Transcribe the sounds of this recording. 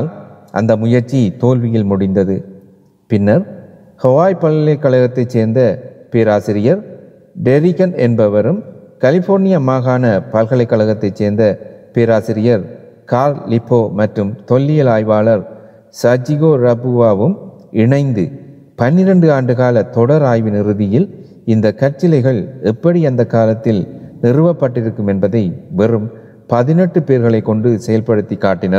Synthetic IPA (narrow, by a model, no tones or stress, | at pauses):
lʔɐ̰nd̪ɐmʊjɐɾt͡ʃːit̪oːlʋɪjɪlmʊɽɪnd̪ɐðɯ | pɪnːɐɾ | hɔʋaːjpɐllɐɪkːɐɭɐɣɐt̪ːɐɪt͡ʃseːɾnd̪ɐpeːɾaːsɪɾɪjɐɾ | ɖɛɾɪkɐnɛnbɐʋɐɾɯmkɐlɪfoːɾnɪjɐmaːɣaːnɐpɐlɣɐɭɐɪkːɐɭɐɣɐt̪ːɐɪt͡ʃeːɾnd̪ɐpeːɾaːsɪɾɪjɐɾ | kaːɾlɪpʰːoːmɐʈɾɯmt̪ɔlːɪjɐlaːjʋaːɭɐɾ | sɐd͡ʒɪɣoːɾɐbɯʋaːʋɯm | ɪɳɐɪnd̪ɯ | pɐnːɪɾɐɳɖɯaːɳɖɯɣaːlɐt̪ɔɽɐɾaːjʋɪnɪɾɯðɪjɪl | ɪnd̪ɐkːɐɾt͡ʃːɪlɐɪɣɐɭɛpːɐɽiɐnd̪ɐkːaːlɐt̪ːɪlnɪrɯʋɐpːɐʈːɪɾɯkːɯmɛnbɐðɐɪʋɛrɯm | pɐðɪnɛʈːɯpeːɾɣɐɭɐɪkːɔɳɖɯsɛjɐlpɐɽɯt̪ːikːaːʈːɪnɐɾ